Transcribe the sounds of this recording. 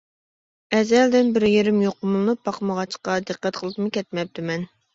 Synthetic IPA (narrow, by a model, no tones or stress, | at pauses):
ɛzɛld̪ɪnbɪɾɪjeɾɪmjoqʊmlˠnupːɑqmɑʁɑt͡ʃqɑd̪ɨqːæt̪qʰəlˠɨt̪mɨkʲɛt̪̚mɛp̚t̪ʰɪmɛn